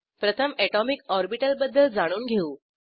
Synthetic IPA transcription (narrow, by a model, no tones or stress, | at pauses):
pɾət̪ʰəmɛʈɔmikɔɾbiʈəlbəd̪ːəld͡zaɽ̃uːnɡʱeuː